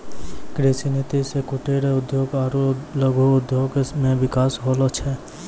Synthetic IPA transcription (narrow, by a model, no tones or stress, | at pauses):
kɾesinit̪isekuʈeɾeʊd̪joːɡaːɾoləɡʱoʊd̪joɡmẽʋɪkaːsɦolɔt͡ʃʰɛ